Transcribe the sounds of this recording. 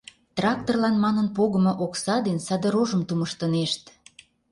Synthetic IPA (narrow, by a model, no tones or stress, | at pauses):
t̪rɑk̚t̪orlɑnmɑnənpoɣə̆mŏʔoksɑd̪enʲsɑd̪ə̆ɾoʒəmt̪uməʃt̪ə̆neʃt̪